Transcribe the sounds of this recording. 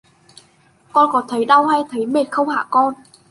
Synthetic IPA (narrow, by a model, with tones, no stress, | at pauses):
kɔ˧nkɔ˨˦t̪ʰə˨˦jɗa˧whaː˧jt̪ʰə˨˦jme˨˩n̚xə˧wŋ͡mha̰ː˧˨kɔ˧n